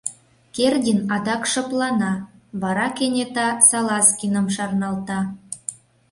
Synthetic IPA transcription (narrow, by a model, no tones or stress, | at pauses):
kerdʲinɑd̪ɑkʃɤ̆plɑnɑβɑɾɑkenʲet̪ɑsɑlɑskʲinəmʃɑrnɑlt̪ɑ